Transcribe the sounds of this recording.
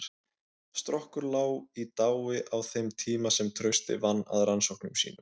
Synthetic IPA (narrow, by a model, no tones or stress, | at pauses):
st̪ɾɔhkʏɾlaːwit̪aːwɪʔawθejmt̪ʰiːmasɛmt̪ʰɾœɥst̪ɪ̰vanːa̰ðɾansɔwknʏmsḭːnʏm